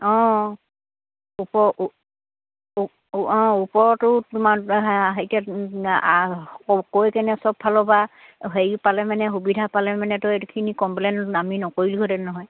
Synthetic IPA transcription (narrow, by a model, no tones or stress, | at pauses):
ɔ̃ | upɔ | ɔ̃upɔɹtʊtumaɦejtia | ɔkojkɛnɛsɔbpʰːalɔba | ɦeipalɛmanɛɦubidʱapalɛmanɛtʊetukʰinikɔmplennaminɔkoɹilɡʰʱɔtɛnɔɦɔj